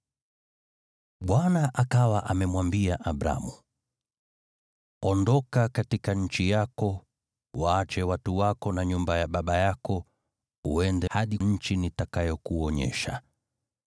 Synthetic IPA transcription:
ɓwanaʔakawaʔamɛmwambiaʔaɓɾa̰mu | ɔndɔkakatikaɲ̩t͡ʃijakɔ | waːt͡ʃɛwatuwakɔnaɲumbajaɓaɓajakɔ | uɛndɛhaɗiɲ̩t͡ʃinitakajɔkuɔɲɛ̰ʃa̰

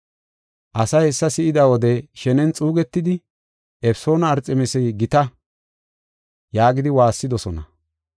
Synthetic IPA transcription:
ʔɐsɐjɛsːɐsɪʔɪd̪ɐwɔd̪ɛʃɛnɛnt͡sʼuːɡɛt̪ːɪd̪ɪ | ɛfso̞ːnɐːɾt͡sʼɛmɛsɛjɡɪt̪ɐ | jaːɡɪd̪ɪwaːsːɪd̪ɔsɔnɐ̰

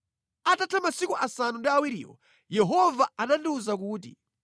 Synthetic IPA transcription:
atatʰamasikuʔasanundiawiɾiːwɔ̰ | jɛɦɔvaanandiuzak̬uːt̬ḭ

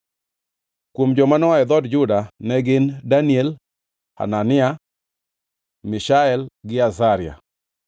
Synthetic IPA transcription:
kwomd͡ʒɔmanɔaɛd̪ɔdd͡ʒʊdanɛɡɪndaniɛl | ha̰nanɪa | mɪʃaɛlɡɪazaɾɪa̰

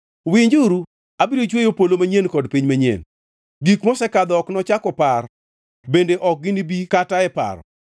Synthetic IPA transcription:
wiɲd͡ʒuɾu | abiɾot͡ʃwejopolomaɲenkɔdpiɲmaɲḛn | ɡikmɔsɛkad̪ɔɔknɔt͡ʃakɔpar | bendeʔɔk̚ɡɪnibikataɛpa̰ɾɔ̰

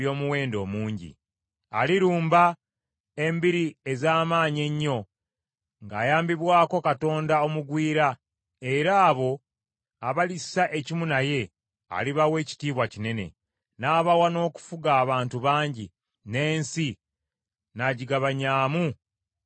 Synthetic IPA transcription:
jo̞ːmuwe̞ːndo̞ːmuːɲɟḭ | aliɾuːmba | e̞mbiɾie̞zaːmaːɲe̞ɲːo̞ | ŋɡaːjaːmbiβwaːko̞kato̞ːndao̞muɡwiːɾa | e̞ɾaːβo̞ | aβalisaʔe̞cimunaje̞ | a̰liβawe̞ːci̥tiːβwacine̞ne̞̰ | naːβawano̞ːku̥fuɡaːβaːntuβaːɲɟi | ne̞ːnsi | naɟiɡaβaɲaːmu

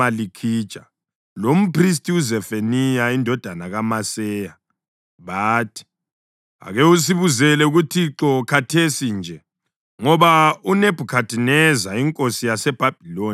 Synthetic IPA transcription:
alikʰit͡ʃʼa | lom̩pʰris̬tʼiuzɛfenijaindʱɔd̥ʱanaɣamasɛja | βaːtʰi̥ | a̰ɣɛus̬iβuzɛlɛuɣutʰiǁɔkʰatʰesind͡ʒʱɛ | ŋɔβauneb̥ʱukʰatʰʼinɛzaiŋkʼosijasɛb̥ʱab̥ʱiloː

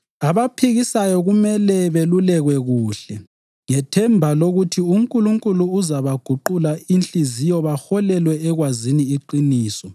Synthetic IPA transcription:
aβapʰiɣisajɔɣumɛlɛβelulɛɣwɛɣuːɬɛ | ŋɛtʰɛmbʱaloɣutʰiuŋkʼuluŋkʼuluːzaβaɡ̥ʱuǃulaint͡ɬʼizijɔβaxɔlɛlwɛːɣwaziniiǃiniːsɔ

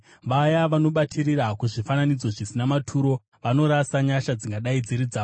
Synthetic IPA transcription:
ʋajaʋano̞ɓatʰirirakuʐifananid͡zo̞ʐisinamatʰuɾo̞ | ʋano̞ɾasaɲaʃad͡ziŋɡaɗaid͡ziɾid͡zaːo

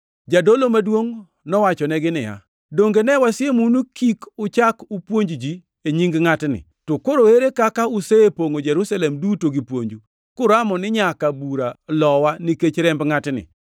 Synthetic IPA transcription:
d͡ʒadolomadwoŋ | nɔwat͡ʃɔnɛɡɪnɪja̰ | doŋɡenɛwasɪemunukikʊt͡ʃakupwoɲd͡ʒd͡ʒi | eɲiŋɡŋatnɪ̰ | tokoɾoeɾekakaʊseepoŋod͡ʒɛɾusalɛmdutoɡipwoɲd͡ʒu | kʊɾamɔnɪɲakabuɾalɔwanɪket͡ʃɾɛmbŋatnɪ̰

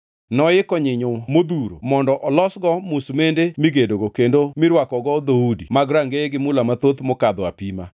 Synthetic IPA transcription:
nɔɪkɔɲɪɲomod̪uɾo̰mɔndɔʔɔlɔsɡɔmusmendemiɡedoɡokendomɪɾwakɔɡɔd̪oudimaɡɾaŋɡeɡɪmʊlamat̪ot̪mɔkad̪ɔapima̰

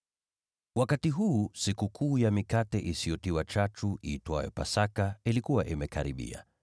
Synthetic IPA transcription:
wakatiɦuːsikukʰuːjamikatɛʔisijɔtiwat͡ʃat͡ʃuʔiːtwajɛ̰pa̰sakailikuwaʔimɛkaɾiɓḭa̰

